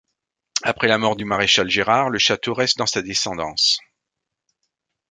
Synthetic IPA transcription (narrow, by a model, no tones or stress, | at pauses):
apχɛlamɔʁd̪ymaʁeʃalʒeʁaʁləʃat̪oʁɛst̪̚d̪ɑ̃sad̪esɑ̃d̪ɑ̃s